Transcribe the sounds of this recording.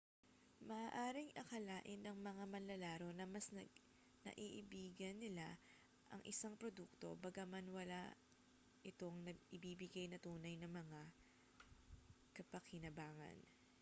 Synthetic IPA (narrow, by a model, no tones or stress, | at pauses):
mɐʔaːʔaːɾɪŋʔɐkɐlaːʔɪnːɐŋmɐŋamɐnlɐlaːɾo̞nɐmɐsnɐ | nɐ̰ʔiːʔɪbiːɡɐnːɪla | ʔɐ̰ŋʔɪsaŋpɾod̪uk̚t̪o̞̰bɐɡamɐnwɐla̰ | ʔɪt̪o̞ŋnɐɪbiːbɪɡajnɐt̪uːnɐjnɐŋmɐŋa | kɐpɐkɪnɐbaːŋɐ̰n